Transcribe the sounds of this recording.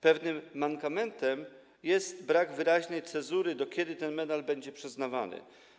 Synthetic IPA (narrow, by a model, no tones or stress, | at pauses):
pɛvnɘmːaŋkamɛnt̪ɛm | jɛst̪bɾaɡvɘɾaʑnɛjt̪sɛzuɾɘd̪ɔkʲɛd̪ɘt̪ɛnmɛd̪albɛɲd͡ʑɛpʂɛznava̰nɘ̰